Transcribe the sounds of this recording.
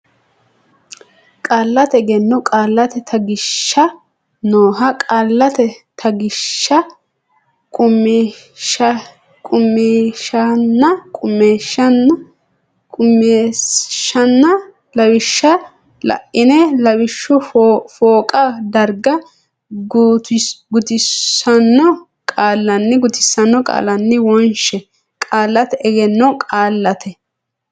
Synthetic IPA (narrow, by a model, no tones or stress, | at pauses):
kʼaːlːɐt̪ɛɡɛnːɔkʼaːlːɐt̪ɛt̪ʰɐɡɪʃːɐ | noːɦɐkʼaːlːɐt̪ɛt̪ʰɐɡɪʃːɐ | kʼʊm | kʼʊmːeːʃɐnːɐkʼʊmːeːʃːɐn | kʼʊmeʃːɐnːɐ | lɐwɪʃːɐ | lɐ̰ʔɪnɛlɐbɪʃːʊfoːkʼɐd̪ɐɾɡɐ | ɡt̪ɡʊt̪ɪsɐnːɔ | kʼaːlːɐnːɪɡʊt̪ɪsːɐnːɔkʼa̰ːlːɐnːɪwɔnʃɛ | kʼaːlːɐt̪ɛɡɛnːɔkʼaːlːɐt̪ʰɛ